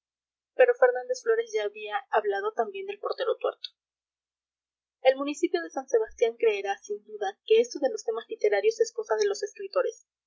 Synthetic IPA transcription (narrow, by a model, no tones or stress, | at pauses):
pe̞ɾo̞fe̞ɾnãnd̪e̞sflo̞ɾe̞sʝaːβiaaβlað̞o̞t̪ambje̞nd̪e̞lpo̞ɾt̪e̞ɾo̞t̪we̞ɾt̪o̥ | e̞lmũnisipjo̞ð̞e̞sanse̞βast̪jaŋkɾe̞ːɾasind̪uðake̞est̪oðe̞lo̞st̪e̞mazlit̪e̞ɾaɾjo̞sesko̞saðe̞lo̞se̞skɾit̪o̞ɾe̞s